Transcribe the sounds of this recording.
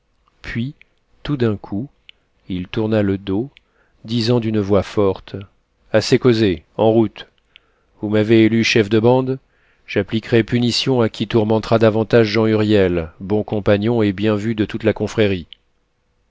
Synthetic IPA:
pʰɥi | t̪ud̪ɛ̃kʰu | ilt̪uʁnaləd̪o | d̪izɑ̃d̪ynvwafɔʁt̪ | asekozeɑ̃ʁut̪ | vumaveːlyʃɛfd̪əbɑ̃d̪ | ʒ̥aplikʁɛpynisjɔ̃akʲʰit̪uʁmɑ̃t̪χad̪avɑ̃t̪aʒʒɑ̃yʁjɛlbɔ̃kɔ̃paɲɔ̃ebjɛ̃vyd̪ət̪ut̪lakɔ̃fχɛʁi

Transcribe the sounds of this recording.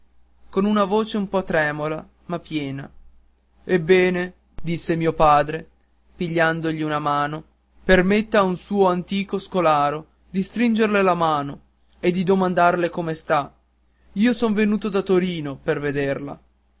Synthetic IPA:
konunavoːt͡ʃeumpɔt̪ːɾɛːmola | mapːjɛːna̰ | ebːɛːne | d̪isːemiːopaːd̪ɾe | piʎːand̪oʎiunamaːno | permet̪ːaunsuːoant̪iːkoskolaːɾo | d̪ist̪ɾind͡ʒerlelamaːno | ed̪ːid̪omand̪arlekomest̪a | iːosonvenuːt̪od̪at̪oɾiːnoperved̪erla̰

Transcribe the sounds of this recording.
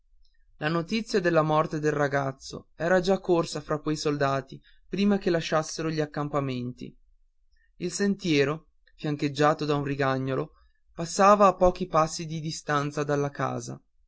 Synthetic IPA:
lanot̪it̪sːjad̪elːamɔrt̪ed̪elraɡat̪sːo̰ɛːɾad͡ʒakːorsafɾakːwejsold̪aːt̪i | pɾiːmak̟elaʃːasːeɾoʎiakːampament̪ḭ | ilsent̪jɛːɾo | fjaŋked͡ʒːaːt̪od̪aunriɡaɲːolo | pasːaːvaːpːɔːk̟ipasːid̪id̪ist̪ant̪sad̪alːaka̰ːza̰

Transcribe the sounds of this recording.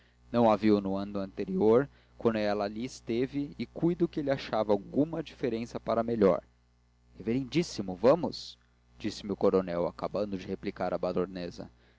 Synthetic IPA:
nɐ̃w̃aviwnʊɐ̃nʊɐ̃nt̪eɾioɾ | kwɐ̃nd̪ʊɛlɐːliɪst̪evɪːkujd̪ʊkɪelɪaʃavɐawɡũmɐd͡ʒifeɾẽsɐpaɾɐmeʎɔ̰ɾ | heveɾẽnd͡ʒisimʊvɐ̃mʊs | d͡ʒisɪmɪʊwkoɾonɛwa̰kabɐ̃nd̪ʊd͡ʒɪheplikaɾɐbad̪oɾnezɐ̰

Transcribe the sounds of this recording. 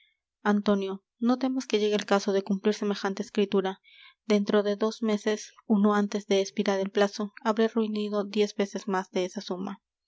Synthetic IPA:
ant̪o̞njo̞ | no̞t̪e̞moske̞ʝe̞ɣelkaso̞ðe̞kumpliɾse̞me̞xant̪eːskɾit̪uɾa | d̪e̞nt̪ɾo̞ðe̞ðo̞zme̞se̞suno̞ant̪e̞zðe̞ːspiɾaɾe̞lplaso̞aβɾeruiniðo̞d̪je̞zbe̞se̞zmazðe̞esasuma̰

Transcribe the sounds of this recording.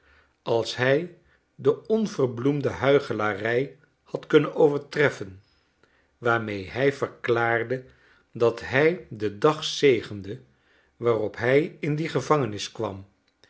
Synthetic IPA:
ɑlˠsɦɛj | dəɔnvərblumdəɦœɥχəlaːrɛj | hɑtkɵnənowvəɹtrɛfən | ʋaːɹmejɦɛjv̥əɹklaːɹdə | dɑtɦɛjdədɑχsejχəndə | ʋaːrɔpɦɛjɪndiχəvɑŋənɪskʋɑm

